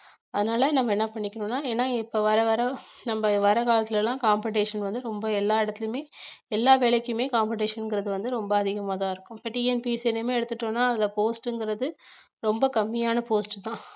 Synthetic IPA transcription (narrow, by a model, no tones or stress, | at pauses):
ɐðɯnaːlɐnɐmːɐɛnːɐpɐɳːɪkːɐɳʊnːaːeːnːaːɪpːoʋɐɾɐʋɐɾɐnɐmbɐʋɐɾɐkaːlɐt̪ːɪlɛlːãːkaːmpɛʈeːʂɐnʋɐnd̪ɯɾɔmbɐɛlːaːɪɽɐt̪ːɪlɯmeːɛlːaːʋeːɭɐkʲːɯmeːkaːmpɪʈeːʂɐnŋɡɪɾɐðɯʋɐnd̪ɯɾɔmbɐɐðɪɣɐmaːt̪ãːɪɾɯkːʊ̃mpɐʈːiɛnpisɛnːemeːɛɽɯt̪ːɯʈːõːnːaːɐðɪlɐpoːsʈɯŋɡɪɾɐðɯ | ɾɔmbɐkɐmːɪjaːnɐpoːsʈt̪ãː